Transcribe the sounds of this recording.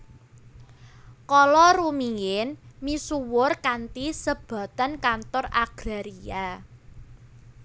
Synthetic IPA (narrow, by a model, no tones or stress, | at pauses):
kɔlɔrumiɪnmisuwʊrkant̪isəb̥ä̤t̪ankant̪ɔraɡ̥ɾaɾia